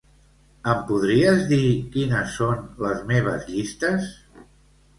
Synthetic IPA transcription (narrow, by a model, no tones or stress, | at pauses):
əmpuðɾiəzðikinəsːonləzmeβ̞əzʎist̪əs